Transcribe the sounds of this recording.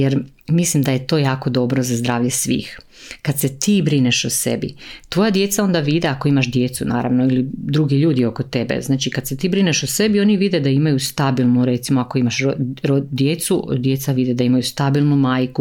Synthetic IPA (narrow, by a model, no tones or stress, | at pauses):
jeɾmislimd̪aje̞t̪o̞jaːko̞d̪o̞bɾo̞zazd̪ɾaːʋʎesʋḭːx | kad̪se̞t̪iːbɾineʃose̞̰bḭt̪ʋo̞jad̪je̞t̪sao̞nd̪aʋid̪eako̞imaʃd̪je̞t̪suna̰ːɾa̰ʋnoilid̪ɾuɡiʎuːd̪io̞kot̪e̞bḛznaːt͡ʃikad̪set̪iːbɾineʃose̞bio̞niʋid̪ed̪aimajust̪abilˠnuɾe̞t̪simoako̞imaʃoɾod̪jet̪sud̪je̞t̪saʋid̪e̞d̪aimajust̪abilˠnumaːjku